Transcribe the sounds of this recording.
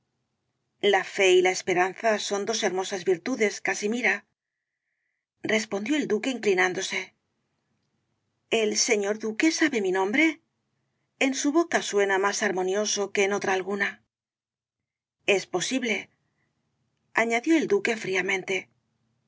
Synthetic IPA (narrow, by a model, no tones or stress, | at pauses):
lafe̞ilae̞spe̞ɾanθaso̞nd̪o̞se̞ɾmo̞sazβiɾt̪uðe̞skasimiɾa | respo̞nd̪jo̞e̞ld̪uke̞iŋklinand̪o̞se̞ | else̞ɲo̞ɾðuke̞saβe̞minõ̞mbɾe̞ | nsuβo̞kaswe̞namasaɾmo̞njo̞so̞ke̞ːno̞t̪ɾaːlɣuna | e̞spo̞siβle̞ | aɲaðjo̞e̞ld̪uke̞fɾiamẽ̞nt̪e̞